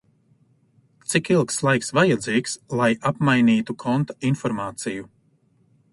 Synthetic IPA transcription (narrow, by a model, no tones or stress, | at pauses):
t̪sikilˠkslˠajksvajad̪ziːkslˠajapmajniːt̪ukʰɔnt̪ḁinfɔɾmaːt̪siju